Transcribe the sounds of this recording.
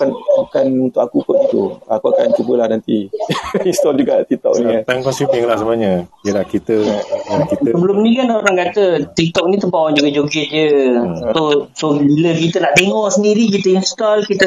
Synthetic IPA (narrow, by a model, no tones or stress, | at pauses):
kanukanunt̪ʊʔkakukʊt̪̚ɡit̪ṵakuaka̰nkubəlahnant̪i | inst̪ɔld͡ʒuɡat̪ik̚t̪ɔ̰k̚nit̪aŋkɔnsipiŋlahsəmaɲə̃əlahkit̪əakitsəbəlʊmnĩkanoɾaŋkat̪ət̪ik̚t̪ɔk̚nit̪əbawand͡ʒuɡad͡ʒoɡɪt̪̚d͡ʒət̪osobiləkit̪ənaʔdeŋɔʔsəndiɾik̬it̪əinst̪ɔlkit̪ə